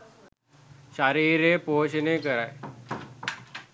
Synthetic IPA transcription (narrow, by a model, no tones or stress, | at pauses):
ɕaɾiːɾeːpoːɕənekəɾaj